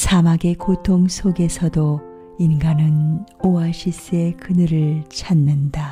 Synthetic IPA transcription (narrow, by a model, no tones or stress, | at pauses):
sʰamaɡe̞kotʰoŋsʰoɡe̞sʰʌdo | inɡanɯnoaɕʰis͈ɯe̞kɯnɯɾɯɭt͡ɕʰanːɯnda